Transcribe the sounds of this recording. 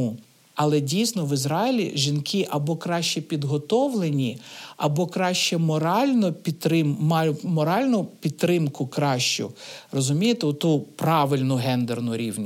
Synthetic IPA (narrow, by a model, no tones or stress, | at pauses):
ɐlˠɛdʲijsnɔʋɪzɾɑɪlʲḭʒinkʰɪʔɐbɔkɾɑʃt͡ʃɛpʲid̪ɦɔt̪ɔʋlˠenʲiɐbɔkɾɑʃt͡ʃɛmɔɾɑlʲnɔpʲit̪ɾɪmmɑjʊmɔɾɑlʲnʊpʲit̪ːɾɪmkʊkɾɑʃt͡ʃʊ̰rɔzʊmʲijet̪ɛʊt̪upɾɑʋɪlʲnʊɦɛnd̪ernʊɾʲiwnʲ